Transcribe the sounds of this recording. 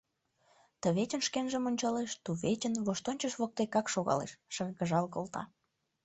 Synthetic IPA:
t̪əβet͡ɕənʃkenʒəmonʲt͡ɕɑleʃt̪uβet͡ɕənβoʃt̪onʲt͡ɕəʃβok̚t̪ekɑkʃoɣɑ̰lḛʃʃərɣəʒɑlkolt̪ɑ̰

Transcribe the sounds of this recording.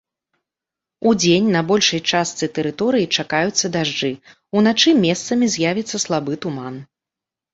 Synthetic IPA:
ud͡zʲenʲnɐbɔlʲʂɐjt͡ʂast̪sɨt̪ɛɾɨt̪ɔɾɨjit͡ʂakajut̪sːɐd̪aʐd͡ʐɨ | unat͡ʂɨmʲɛst̪sɐmʲizʲjavʲit̪sːɐslˠabɨt̪uman

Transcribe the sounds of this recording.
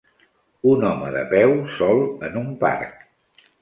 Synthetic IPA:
unɔməðə̰pɛwsɔlˠənumpa̰rk

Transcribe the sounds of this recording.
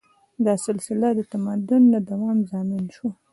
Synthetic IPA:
d̪ɑsɪlsɪlad̪ət̪amɑd̪ʊnːad̪awɑmzɑmɪnʃu

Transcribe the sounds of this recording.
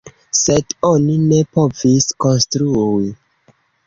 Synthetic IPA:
sedonine̞po̞viskonstɾui

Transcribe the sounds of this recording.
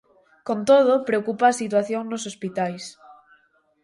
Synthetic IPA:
kõnt̪oð̞opɾeokupaːsit̪̬waθjoŋnosospit̪ajs

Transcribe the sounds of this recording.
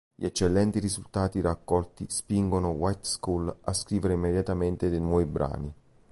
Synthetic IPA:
ʎiɛt͡ʃːelːɛnt̪irizult̪aːt̪irakːɔlt̪ispiŋɡonowajt̪skula̰skɾiːveɾeimːed̪jat̪ament̪ed̪enwɔːvibɾa̰ːni

